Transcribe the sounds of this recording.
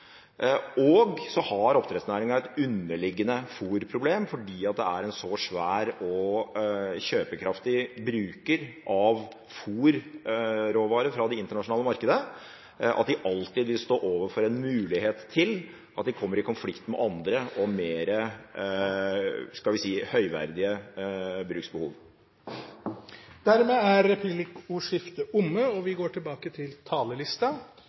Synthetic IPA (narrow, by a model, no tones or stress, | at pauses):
ɔɡsɔhɑɾɔp̚t̪ʰɾɛt̪snæːɾɪŋɑɛt̪ʉnːəɭɪɡːənəfuːɾpʰɾʊbleːmfɔɖiːɑt̪̚d̪ɛ̰æɾɛnsɔʂʋæːɾɔ | ɕøːpəkʰɾɑft̪ɪbɾʉːkəɾʔɑʋ | fuːɾ | ɾoːʋɑːɾəfɾɑd̪ɛɪnt̪əɳɑʂʊnɑːləmɑɾkəd̪ə | ʔɑt̪̚d̪ɪʔɑlt̪ɪd̪ʋɪlst̪oːʔoːʋəfɔɾɛnmʉːlɪheːt̪ʰːɪl | ʔɑt̪̚d̪ɪkʰɔmːəɾɪkʰʊnflɪkt̪mɛ̰ʔɑnd̪ɾəʔɔmeːɾə | skɑlʋɪsiːhœʏʋæ̰ɾd̪ɪə | bɾʉːksbəhṵːʋ | d̪̥æɾmeːæɾɛpʰʉblɪkʊʂɪft̪əʔʊmːəɔʋɪɡoːʈʰɪlbɑːkət̪ʰɪlt̪ʰɑːləlɪst̪ɑ